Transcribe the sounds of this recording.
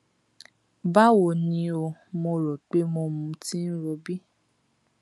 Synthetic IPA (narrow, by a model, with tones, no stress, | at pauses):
ba˦wo˨nĩ˧o˧mo˧ɾɔ˨k͡pe˦mɔ̃˧mũ˧ti˦n̩˦ɾɔ˧bi˦